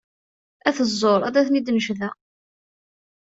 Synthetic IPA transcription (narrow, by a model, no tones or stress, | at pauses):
æθəzˤːoɾˤæ̰d̪æθnid̪nəʃðæ